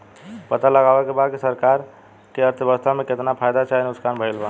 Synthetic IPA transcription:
pət̪aləɡaʋɛkebad̪̚kesəɾkaɾ | keəɾt̪ʰəbəst̪ʰamẽket̪napʰajd̪at͡ʃaɦinʊskanbʱəilba

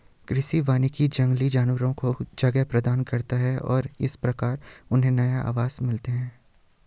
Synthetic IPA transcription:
kɾɪʃiʋaːnikid͡ʒɐ̃ŋɡlid͡ʒaːnʋəɾõkod͡ʒɐɡɛpɾɐd̪aːnkɐɾt̪aɦɛɔ̰ːɾɪ̰spɾɐkaːɾʊnɦẽnɐjaʔa̰ːʋaːz̥mɪlt̪eɦɛ̃ː

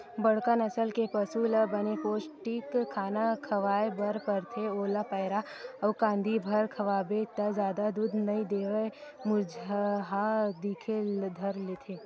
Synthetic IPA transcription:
bɐɽ̤kənɐsəlkepɐsulbɐnepoːt͡ʃʈiːkʰːaːnakʰɐʋaːebɐɾpɐɾt̪ʰeoːlapəːɾa | ɐʋkãːnd̪ʱibʱɐɾkʰɐʋaːbet̪ɐzjaːd̪ad̪uːd̪ʱnɐid̪eːʋəmʊd͡ʒʱɦad̪iːkʰed̪ʱɐɾlet̪ʰeː

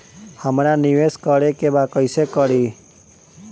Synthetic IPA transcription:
həmɾaniʋeskəɾekebakəjsekəɾi

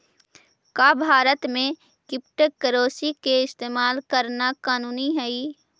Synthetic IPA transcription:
kaːbʱaːɾət̪mẽ | kɪp̚ʈəkəɾoːsikeɪst̪eːmaːlkəɾnakaːnuːniɦɛi

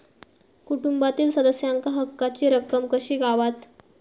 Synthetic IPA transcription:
kuʈumbat̪iːlsəd̪əsjaŋkaɦəkːat͡ɕiːɾəp̚kəmkəɕiːɡaʋat̪

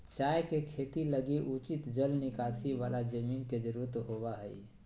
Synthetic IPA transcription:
t͡ʃajkekʰet̪iləɡiʔut͡ʃit̪d͡ʒəlnikasʰiʋalad͡ʒəminked͡ʒəɾuɾt̪ɦobaɦəi

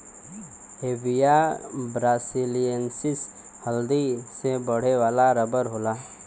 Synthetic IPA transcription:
heːbijabɾaːsilijənsɪs | həld̪isebəɽ̤eʋaːlaɾəbəɾɦoːlaː

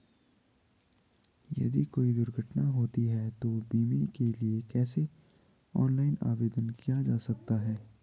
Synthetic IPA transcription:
jɐ̰d̪ikoːid̪ʊɾɡʱəʈnaɦoːt̪iɦɛt̪obiːmikeliekɛːse | ɔ̰ːnlaːɪna̰ːʋeːd̪ənkijad͡ʒaːsɐk̚t̪aɦɛː

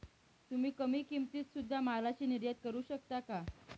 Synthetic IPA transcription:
t̪um̤iːkəmiːkimt̪iːt͡ssud̪ʱːamalat͡ɕiːniɾjət̪̚kəɾuːɕəkt̪aka

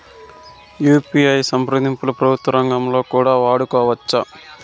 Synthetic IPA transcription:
juːpiɐjsɐmpɾɐd̪ʱimpulɐpɾɐbʱut̪ʋɐɾɐŋɡɐmlo̞ːkuːɽaːʋaːɽukɔːʋɐt͡ʃːɐ

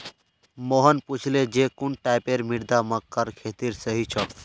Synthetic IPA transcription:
moɦənput͡ʃʰled͡ʒekuɳʈaɪpeɾmiɽd̪aməkːəɾkʰet̪iɾsəɦit͡ʃʰɔ

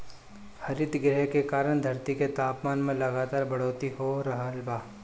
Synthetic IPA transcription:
hɐɾɪt̪ɡɾɛɦkekaːɾəɽ̃d̪ʱɐɾt̪iket̪aːpmaːnmẽlɐɡaːt̪aːɾbɐɽ̤oːt̪ihoɾɐɦəlbaː

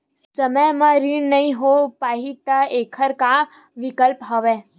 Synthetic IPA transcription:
ssəməjmãɾiɳnəĩɦopaɦit̪aekʰəɾkã | ʋikəlpɦəʋe

